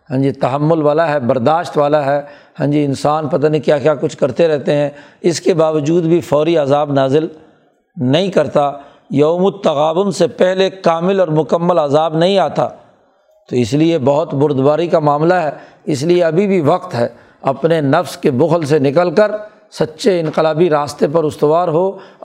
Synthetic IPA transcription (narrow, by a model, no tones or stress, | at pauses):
ɦɛ̃ːd͡ʒit̪ɐɦəmːʊlʋaːlaɦɛbɐɾd̪aːʃt̪ʋaːlaɦɛː | hɛ̃ːd͡ʒiɪ̃nsaːnpɐt̪aːnĩkjaːkjaːkʊt͡ʃʰkɐɾt̪eɾɛɦt̪eɦɛ̃ː | ɪskebaːʋəd͡ʒuːd̪bʱifɔːɾiazaːbnaːzɪl | nɐɦĩkɐɾt̪a | jɐomʊt̪ɐɣaːʋʊnsepɛɦlekaːmɪlɔːɾmʊkəmːəlazaːbnɐɦĩaːt̪a̰ː | t̪oɪsliebɐɦʊt̪bʊɾd̪baːɾikamaːmlaɦɛː | ɪs̬lieɐbʱibʱiʋɐqt̪ɦɛː | ɐpnenɐfskebʊxəlsenɪk̬əlkəɾ | sɐtːʃeɪ̃nqɪlaːbiɾaːst̪ep̬ɐɾʊst̪əʋaːɾɦoː